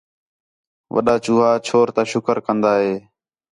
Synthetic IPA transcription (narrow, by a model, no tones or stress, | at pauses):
ʋʔə̰ɗaːt͡ʃuːɦaːt͡ʃʰoːɾt̪aːʃʊkəɾkənd̪aːɦeː